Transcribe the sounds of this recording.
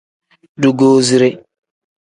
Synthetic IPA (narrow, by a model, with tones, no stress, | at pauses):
du˨ɡoː˦zi˦ɾe˦